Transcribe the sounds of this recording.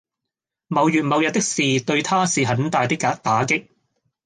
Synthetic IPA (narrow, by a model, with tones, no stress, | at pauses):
mɐ˨˧wjyː˨t̚mɐ˨˧wjɐ˨˩t̪ɪ˥k̚siː˨t̪ɵ˧ɥt̪ʰaː˥siː˨ɦɐ˨˥nt̪aː˨˧jt̪ɪ˥kːaː˨˥k̚t̪aː˨˥kɪ˥k̚